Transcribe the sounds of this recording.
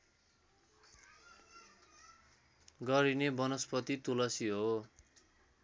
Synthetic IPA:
ɡʌɾinebʌnospʌt̪it̪ulʌsiɦo

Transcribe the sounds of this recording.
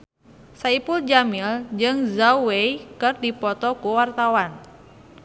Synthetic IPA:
saipuld͡ʒamild͡ʒɨŋzawejkɨrdipɔt̪ɔkuwart̪awan

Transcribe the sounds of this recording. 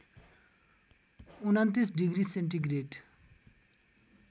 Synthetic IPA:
unant̪isɖiɡɾiseɳʈiɡɾeɖ

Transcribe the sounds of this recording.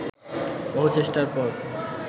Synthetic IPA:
bɔɦot͡ɕeʃʈaɾpɔɾ

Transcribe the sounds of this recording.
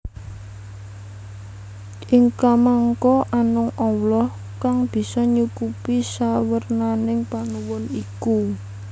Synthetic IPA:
ʔiŋkamaŋkɔʔanʊŋɔwlɔh | kaŋb̥i̤sɔɲukupisawərnanɪŋpanuwʊniku

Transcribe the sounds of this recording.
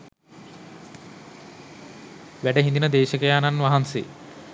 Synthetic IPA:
ʋæɖəɦind̪inəd̪eːʃəkəjaːnanʋaɦansḛ

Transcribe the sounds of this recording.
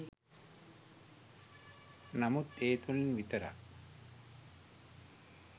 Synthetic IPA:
namut̪eːt̪ulnʋit̪əɾa̰k

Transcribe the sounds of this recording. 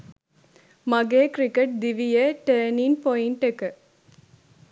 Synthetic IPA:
mɐɡeːkɾɪkːɐʈ̚d̪ɪʋɪjɐʈeɾninpɔjɪɳʈɯkːɐ

